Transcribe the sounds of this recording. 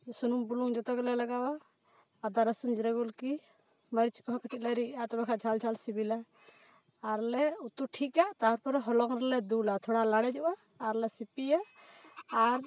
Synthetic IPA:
sunumbuluŋd͡ʒɔt̪ɔɡɛlɛlaɡawaː | d̪aɾasund͡ʒiɾaɡulki | maɾit͡ʃkɔɦɔ̃kʰəʈit̪̚laɾiʔat̪ɔbakʰad͡ʒʱald͡ʒʱalsibilaː | ɾlɛut̪uʈʰikaʔt̪aɔɾpɔɾɛɦɔlɔŋɾɛlɛd̪ulat̪ʰɔɽalaɽɛd͡ʒɔʔaː | ɾlɛsipijaː | ɾ

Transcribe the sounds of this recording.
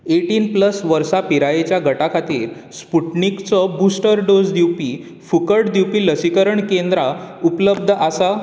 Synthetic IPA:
eʈiːnpləsʋəɾsapiɾajet͡ɕjaɡʱəʈakʰat̪iːɾ | spuʈnikt͡sɔbusʈəɾɖod͡zd̪iwpi | fukəɽd̪iwpiːləsikəɾəɳkend̪ɾaupləb̚d̪ʱʔasa

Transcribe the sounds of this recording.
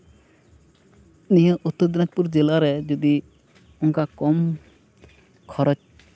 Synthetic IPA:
nijɔʔut̪ːɔɾd̪nat̪puɾd͡ʒɛlaɾɛd͡ʒud̪i | ɔŋkakɔm | kʰɔɾɔt͡ʃ

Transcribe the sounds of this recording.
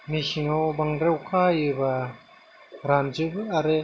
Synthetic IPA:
misiŋawbaŋɾɾewkʰajɯba | ɾand͡ʒɯbaɾe

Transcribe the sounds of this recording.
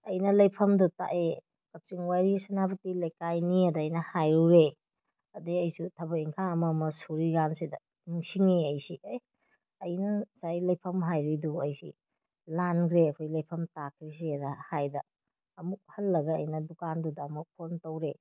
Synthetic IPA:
ɐjnɐlɐjpʰɐmduta̰ʔe | kɐk̚t͡ʃiŋwajɾisɐnabɐtilɐjkajniɐdɐːjnɐhajuɾe | ɐdiɐjsutʰɐbɐiŋkʰaɐmɐmɐsuɾiɡansidɐ | niŋsiŋiɐjsiɐj | ɐjnɐsajlɐjpʰɐmɦajɾujduɐjsḭ | lanɡɾeɐkʰojlɐjpʰɐmtakʰɾis̬idɐhajdɐː | muk̚hɐlːɐɡɐɐjnɐdukandudɐːmuk̚pʰontowɾe

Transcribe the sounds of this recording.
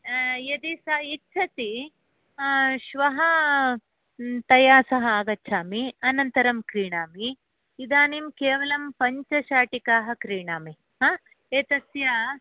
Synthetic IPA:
jɐd̪isɐitːt͡ʃʰɐt̪i | ʃʋɐɦɐ | t̪ɐjaːsɐɦɐ̆aːɡɐtːt͡ʃʰaːmiɐnɐnt̪ɐɾɐmkɾiːɳaːmiː | d̪aːnimkeːʋɐlɐmpɐɲt͡ʃɐʃaːʈikaːɦɐ̆kɾiːɳaːmi | ɦaː | eːt̪ɐsjaː

